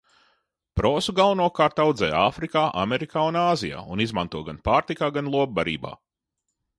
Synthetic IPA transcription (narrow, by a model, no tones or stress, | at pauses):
pɾɔːsuɡalˠanuɔkaːɾt̪awd̪zɛ̰jaːfɾikaːʔa̰mɛɾikaːunaːzija̰ːunizmant̪uɔɡanpaːɾt̪ikaːɡanlˠuɔb̚baɾḭːba̰ː